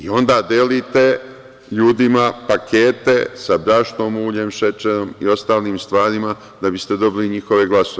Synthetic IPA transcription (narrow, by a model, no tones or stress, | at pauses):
io̞nd̪aːd̪elit̪e̞ | ʎuːd̪imapakʰeːt̪e̞sabɾaʃno̞ːmuːʎeːmʃet͡ʃeɾomio̞st̪aːliːmst̪ʋaːɾima | d̪abist̪e̞d̪o̞biliɲixo̞ʋe̞ɡlasoe